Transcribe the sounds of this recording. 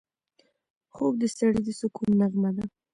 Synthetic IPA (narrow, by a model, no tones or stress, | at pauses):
xoɡ̚d̪əst̪aɽid̪əsʊkunːaɣmad̪a